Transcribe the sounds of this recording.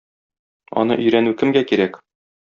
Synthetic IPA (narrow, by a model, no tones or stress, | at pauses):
ɒ̰n̪ɤ̰ʔɵ̆jɾænʉkɘ̆mɡækiɾæk